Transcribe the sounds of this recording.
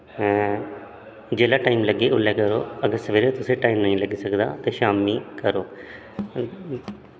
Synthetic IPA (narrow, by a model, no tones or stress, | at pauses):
d͡ʒeːlaːʈaːiːmləɡeːʔʊlɛːkəɾo̰ːəɡəɾsəʋeːɾet̪ʊsẽːʈaːiːmnəĩːləɡiːsəkd̪a̰ːt̪eːʃaːmiːkəɾoː